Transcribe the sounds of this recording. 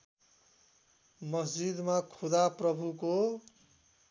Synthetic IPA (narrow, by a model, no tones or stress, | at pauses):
mʌsd͡ʒid̪makʰud̪aprʌbʱuko